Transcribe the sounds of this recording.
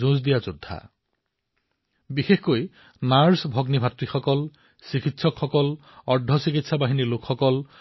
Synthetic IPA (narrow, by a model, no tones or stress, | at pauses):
zũs̬d̪ijazud̪ʱːa̰ | bixexkoj | naɹsbʱɔɡnibʱatɹixɔkɔl | sikit̪sɔkxɔkɔl | ɔɹdʱɔsikit̪sabaɦinilokxɔkɔl